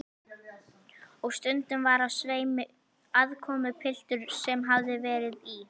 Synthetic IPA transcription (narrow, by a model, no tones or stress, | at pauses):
ɔɣst̪ʏnt̪ʏmvaɾavsveːjmʏ | aðkʰɔːmʏpʰɪl̥t̪ʏɾ̥sɛmɦavðɪvɛːɾɪði